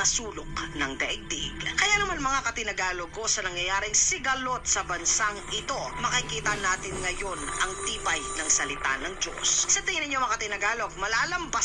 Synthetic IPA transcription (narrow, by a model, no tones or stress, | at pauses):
ɐsuːlok̚nɐŋd̪ɐʔɪɡ̚t̪ɪʔɡkɐjanɐmanmɐŋakɐt̪ɪnɐɡaːloɡ̚ko̞sɐnɐŋjɐjaːɾɪŋsɪɡɐlo̞t̪̚sɐbɐnsaŋʔɪt̪o̞mɐkɐkiːt̪ɐnaːt̪ɪŋŋɐjo̞nʔɐŋt̪iːpɐjnɐŋsɐlɪt̪a̰nɐŋd͡ʒo̰ssɐt̪ɪŋɪnɪɲːomɐkɐt̪ɪnɐɡaːlo̞ɡ̚mɐlaːlɐmba